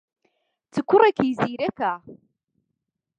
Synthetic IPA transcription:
t͡sːəkʷːʊrˤːækjziɾækæ

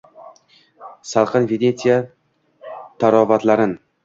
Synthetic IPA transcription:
salˠqɨnvenet̪ʰija | t̪ʰaɾɒvat̪laɾɪn

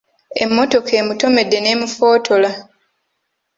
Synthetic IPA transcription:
e̞̰mːo̞to̞kʰe̞ːmuto̞me̞dːe̞ne̞ːmufo̞ːtʰo̞la

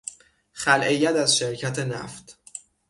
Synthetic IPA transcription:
χælʔejːæt̪æzʃeɾcʰæt̪ʰe̞næ̰ft̪

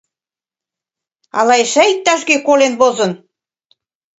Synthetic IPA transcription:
ɑ̰lɑeʃæit̪ːɑʃɡekolenβozɤ̆n

